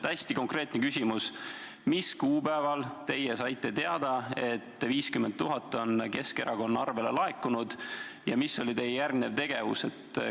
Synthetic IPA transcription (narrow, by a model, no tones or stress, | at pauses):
æsʲt̪iko̞ŋkre̞ːt̪ˑnekysʲimus | miskuːbæevɑlt̪e̞jesɑjt̪ːˑe̞t̪e̞ɑd̪̥ɑe̞t̪ːˑviːskyment̪t̪ːuɦɑt̪ːˑo̞nke̞ske̞ɾɑko̞nːɑɑrve̞le̞lɑe̞kːˑunud̪̥ | jɑmisːo̞lʲit̪e̞jejærɡne̞vt̪e̞ɡ̥e̞vṵse̞t̪ːˑ